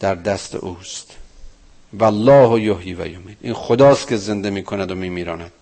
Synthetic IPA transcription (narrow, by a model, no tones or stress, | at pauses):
d̪̥æɾd̪æst̪ʰḛʔuːst̪ | vælːɒːhojohjiːvæ̰jomiːd̪ʔiːnxod̪ɒːst̪̚kʲʰeze̞nd̪emiːkʰonæd̪omiːmiːɾɒːnæd̪̥